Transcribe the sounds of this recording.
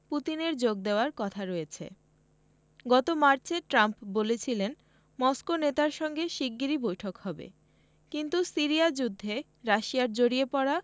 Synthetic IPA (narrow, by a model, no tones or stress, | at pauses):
put̪ineɾd͡ʑoɡ̚d̪eoaɾkɔt̪ʰaɾɔet͡ɕʰḛ | ɡɔt̪omaɾt͡ɕeʈɾampbolet͡ɕʰilen | mɔskonet̪aɾʃɔŋɡeʃiɡːiɾibojʈʰokhɔbḛ | kint̪usiɾiad͡ʑud̪ʱːe | ɾaʃiaɾd͡ʑoɽiepɔɽa